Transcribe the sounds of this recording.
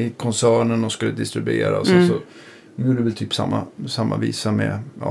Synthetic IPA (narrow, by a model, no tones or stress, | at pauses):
ɪkʰɔnsæːɳəɳɔskɵlːəd̪ɪst̪ɾɪbḛːɾaɔsɛnsɔ | dɔmjuːɖəəvɛlt̪ʰyːpsa̰mːasamːaviːsamɛ̰ɑ̰